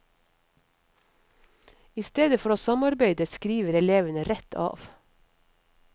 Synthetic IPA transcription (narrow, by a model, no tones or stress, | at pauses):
ɪst̪eːd̪əfɔɾoːsɑmɑɾbeɪd̪əskɾiːʋəɾɛleːʋənəɾɛt̪ʰɑ̰ːʋ